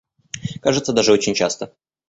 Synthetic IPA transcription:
kaʐɨt̪səd̪aʐɨo̞t͡ɕɪnʲt͡ɕast̪ə

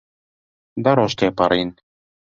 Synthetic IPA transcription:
d̪aɾoʃt̪epaɾin

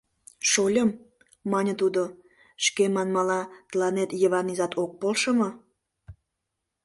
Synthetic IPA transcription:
ʃolʲəmː | ɑnʲət̪ud̪o | ʃkemɑnmɑlɑt̪əlɑnet̪jəβɑnizɑt̪ok̚polʃəmə

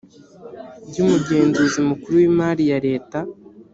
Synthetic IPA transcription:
bɟuːmuɡe̞ːnzuzimukuɾuwiːmaːɾijaɾe̞ːta

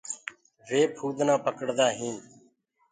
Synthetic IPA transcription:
ʋeːpʰuːd̪nãːpəkəɽd̪aːɦĩːn

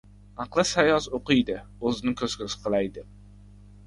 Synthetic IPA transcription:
ɑqlˠɨsæjɑsoqɨjd̪ɪ | ozɪnɪkʲʰøz̥kʲøsɪ̥qʰəlˠɑjd̪ɪ

